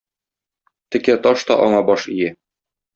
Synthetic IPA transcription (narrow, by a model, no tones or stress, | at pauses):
t̪ɘ̆kæt̪ɒʃt̪ɒʔɒɴɑbɒʃijæ